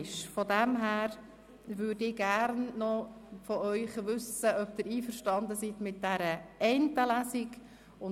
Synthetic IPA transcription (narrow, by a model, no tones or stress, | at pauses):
ʃfɔdæmɦæːɾ | ʋʉːɾdɪɡ̥æɾnnɔ | fɔœʏχʋʉsəʔœp̚d̥̪ɪɾiːfəɾʃtɑnd̪əsit̪mɪt̚d̥æɾəɛnt̪əlæsiɡ | ʊn